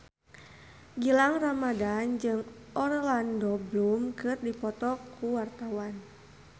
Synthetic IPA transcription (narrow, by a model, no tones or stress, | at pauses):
ɡilaŋramadand͡ʒɨŋ | ɔrlandɔblumkɨrdipɔt̪ɔkuwart̪awan